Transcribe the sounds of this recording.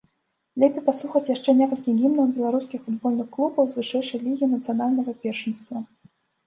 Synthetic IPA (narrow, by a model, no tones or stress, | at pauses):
lʲɛpʲejpasˠuxɐt͡sʲjaʂt͡ʂɛnʲɛkɐlʲkʲiɣʲimnɐwbʲɛlˠaɾuskʲixfud̪bɔlʲnɨxklˠubɐwzvɨʂɛjʂɐjlʲiɣʲinɐt̪sɨanalʲnɐɣɐpʲɛrʂɨnst̪vɐ